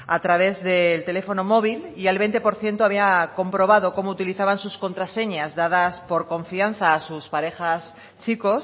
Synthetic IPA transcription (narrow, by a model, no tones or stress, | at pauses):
at̪ɾaβ̞e̞zðelt̪e̞le̞fo̞no̞mo̞β̞ilialβe̞jnt̪e̞po̞ɾθje̞nt̪oaβ̞iako̞mpɾo̞β̞að̞o̞ko̞mout̪iliθaβansusko̞nt̪ɾase̞ɲazðaðaspo̞ɾko̞ɱfian̟θaːsuspaɾe̞xas | t͡ʃiko̞s